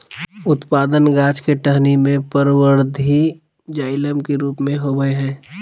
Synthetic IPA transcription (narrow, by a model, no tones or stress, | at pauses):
ʊt̪paːd̪ənɡaːt͡ʃkeʈəɦnimẽpəɾwəɾd̪ʱi | d͡ʒaːɪləmkeɾuːpmẽɦobʱəeɦɛ̃ː